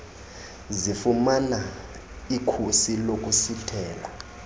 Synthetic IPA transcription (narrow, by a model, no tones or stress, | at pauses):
zifumana | ikʰusilok̬ʼusitʰɛːla